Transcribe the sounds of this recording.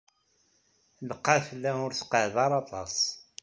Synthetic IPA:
ləqːafəlːæʊɾθqəʕðɑɾˤɑt̪ˤɑ̰s

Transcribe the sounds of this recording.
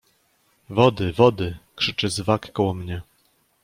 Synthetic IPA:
vɔd̪ɘvɔd̪ɘkʂɘt͡ʂɛzvakːɔwɔmɲɛ

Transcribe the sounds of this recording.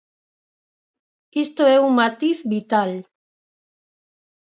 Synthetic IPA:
ist̪oɛuŋmat̪iθβit̪al

